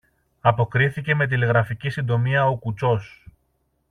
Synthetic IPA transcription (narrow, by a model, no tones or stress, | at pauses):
ɐpo̞kɾiθice̞me̞t̪̬ileɣɾɐficisind̪o̞miɐokut͡so̞s